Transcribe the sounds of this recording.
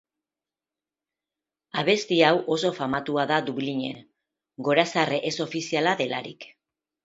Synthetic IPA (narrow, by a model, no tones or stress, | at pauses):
aβe̞st̪iawʔo̞so̞famat̪uaðad̪uβliɲe̞̰n | ɡo̞ɾasareʔeso̞fisialaðe̞laɾḭk